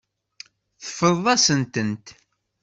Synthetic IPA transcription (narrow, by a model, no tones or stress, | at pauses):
θə̥fəððˤɑsənt̪ənt̪